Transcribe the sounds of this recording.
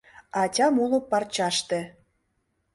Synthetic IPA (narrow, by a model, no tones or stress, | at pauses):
ɑtʲɑmulŏpːɑrt͡ɕɑʃt̪ĕ